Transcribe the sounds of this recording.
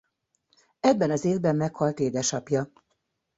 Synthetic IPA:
ɛbːɛnɒzeːvbɛmːɛkhɒlt̪eːd̪ɛʃɒpjɒ

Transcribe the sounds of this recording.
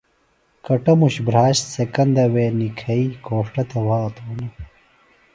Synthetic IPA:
kɐʈɐmuɕbɾaːɕt̪sekɐnd̪ɐweːnikʰɐikoːʂʈɐt̪ewaːt̪ʰoːnɐ

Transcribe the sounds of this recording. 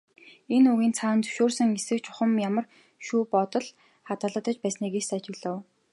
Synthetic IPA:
enɵɣiːnt͡sʰaːnt͡sɵ̥wʃoːrsə̆ŋesɘ̆kt͡ɕʰʊ̥χə̆mjamə̆r | ʃuːpɔt̪ɞ̆ɮ | χat̪ə̆ːɮə̆t̪ə̆t͡ɕpæːsniːɣeːssat͡ɕɪ̆ɣɮŏːw

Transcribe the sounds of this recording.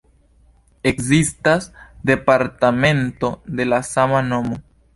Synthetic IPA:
ekzistasd̪e̞paɾt̪amẽnt̪o̞d̪e̞lasamanomo

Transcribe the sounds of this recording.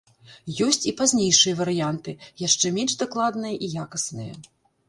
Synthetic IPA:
jɔsʲt͡sʲipazʲnʲejʂɨjɐvɐɾɨjant̪ɨjaʂt͡ʂɛmʲɛnʲʐd̪aklˠad̪nɐjɐʔijakɐsnɨjɐ̰

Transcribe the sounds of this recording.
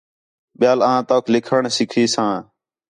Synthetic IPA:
ɓɪjaːlãːt̪oːklɪkʰəɳsɪkʰiːsãː

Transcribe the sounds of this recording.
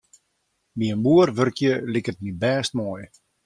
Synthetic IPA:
miənbuərʋørkjəlikətnibɛːst̚moːj

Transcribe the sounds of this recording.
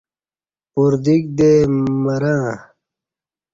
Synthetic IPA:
puɾd̪ik̚d̪emɐɾãː

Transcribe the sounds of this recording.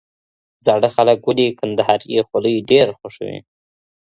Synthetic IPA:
zɑɽəxaləkwəlikand̪ahɑɾjexoləjɖeɾxʊʂwḭ

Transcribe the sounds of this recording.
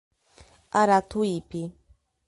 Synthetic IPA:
aɾat̪ʊjpɪ

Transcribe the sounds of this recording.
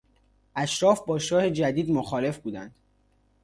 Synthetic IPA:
ʔæʃɾɒːfbɒːʃɒːhe̞d͡ʒæd̪iːd̪moxɒːle̞fbuːd̪ænd̪̥

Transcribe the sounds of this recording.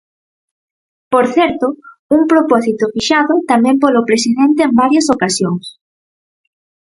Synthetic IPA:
poɾθɛɾt̪ʊ | uŋpɾopɔsit̪ʊfiʃaðʊt̪amɛ̃mpolopɾesiðɛnt̪eembaɾjɐsokasjoŋs

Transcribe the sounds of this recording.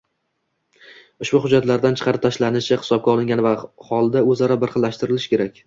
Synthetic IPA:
ʊʃbʊhʊd͡ʒːat̪laɾd̪ant͡ʃʰqʰɑɾɪp̚t̪ʰaʃlanɪʃɪχɪ̥sɒb̚ɡʲaɒlˠɪŋʲanvahɒlˠd̪aɵzaɾabɪɾχɨlːaʃt̪ɪɾɪlɪʃkʲe̞ɾakʲ

